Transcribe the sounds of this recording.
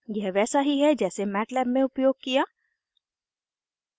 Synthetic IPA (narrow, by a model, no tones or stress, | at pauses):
jɛɦʋɛːsaɦiɦɛd͡ʒɛːsemɛːʈlɛːbmẽʊpjoːɡ̚kijaː